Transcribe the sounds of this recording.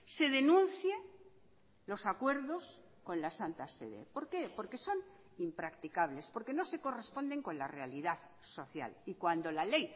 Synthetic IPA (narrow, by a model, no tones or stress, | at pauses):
se̞ðe̞nũnθja | lo̞sakwe̞ɾðo̞s | ko̞nlasant̪asḛðḛpo̞ɾkepo̞ɾke̞so̞n | impɾakt̪ikaβle̞spo̞ɾke̞no̞se̞ko̞re̞spo̞nd̪e̞ŋko̞nlare̞aliðað | soθja̰likwand̪o̞lale̞j